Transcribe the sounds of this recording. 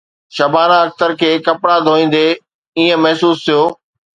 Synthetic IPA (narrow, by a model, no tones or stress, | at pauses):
ʃɐbʱaːnãɐk̚t̪əɾkʰeːkɐpɽad̪ʱoːĩːn̆d̪e | iːə̃mɐɦsuːst̪ʰijoː